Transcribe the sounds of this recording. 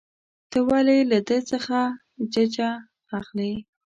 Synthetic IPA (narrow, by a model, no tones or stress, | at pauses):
t̪əwalajlad̪ət͡səxa | d͡ʒad͡ʒaː | xla